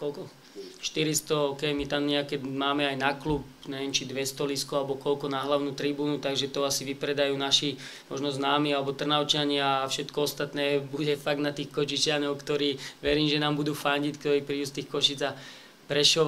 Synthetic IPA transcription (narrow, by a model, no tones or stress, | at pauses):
kɔlkɔ | ʃt̪iɾist̪ɔɦɔkɛjmit̪amɲɛakɛmaːmɛajnakluːp̚ɲɛʋɪɛnt͡ʃid̪ʋɛst̪ɔliskualɛbɔkɔlkɔnaɦlaʊnuːt̪ɾibuːnut̪aɡʒɛt̪ɔasiʋipɾɛd̪ajuːnaʃi | mɔʒnɔznaːmiːalɛbɔt̪r̩naʊt͡ʃaɲɪafʃɛt̪kɔɔst̪at̪nɛːbuɟɛfaɡ̚d̪nat̪iːxkɔt͡ʃit͡ʃɪanɔʊkt̪ɔɾiːʋɛɾiːmʒɛnaːmbud̪uːfaɲɟickt̪ɔɾiːpɾiːust̪iːxkɔʃid͡za | pɾɛʃɔʋ